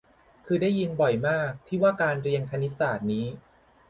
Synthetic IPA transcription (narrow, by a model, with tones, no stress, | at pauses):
kʰɯː˧da˥˩jːi˧nbɔ˨˩jmaː˥˩k̚t̪ʰiː˥˩waː˥˩kaː˧nɾi˧əŋt̪ʰa˧ni˦˥t̚saː˨˩t̪̚niː˦˥